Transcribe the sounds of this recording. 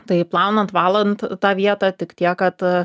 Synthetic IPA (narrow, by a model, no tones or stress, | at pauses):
t̪ɐɪplˠɑʊnɐnt̪ʋɑːlˠɐnt̪t̪ɑːʋʲiɛt̪ɑːt̪ʲɪkt̪ʲiɛkkɐt̪